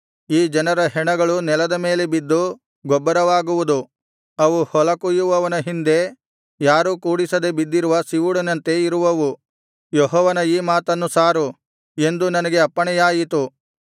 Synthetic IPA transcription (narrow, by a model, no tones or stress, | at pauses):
iːd͡ʒɐnɐɾɐɦɛɳɐɡɐɭunɛlɐd̪ɐme̞ːle̞bid̪ːu | ɡɔbːɐɾɐʋaːɡuʋud̪u | ɐʋuhɔlɐkujuʋɐʋɐnɐɦind̪e̞ | jaːɾukuːɽisɐd̪e̞bid̪ːiɾuʋɐsiʋuɽɐnɐnt̪e̞iɾuʋɐʋu | jɔɦɔːʋɐnɐiːmaːt̪ɐnːusaːɾu | e̞nd̪unɐnɐɡe̞ɐpːɐɳɛjaːjit̪u